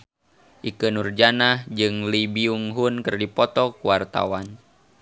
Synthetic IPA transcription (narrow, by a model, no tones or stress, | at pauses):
ʔikənurd͡ʒanahd͡ʒɨŋlibiuŋɦunkɨrdipɔt̪ɔkuwart̪a̰wan